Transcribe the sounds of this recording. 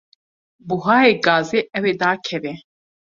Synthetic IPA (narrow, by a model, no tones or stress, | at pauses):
buɦaːeːɡaːzeːʔɛweːd̪aːkʰɛvɛ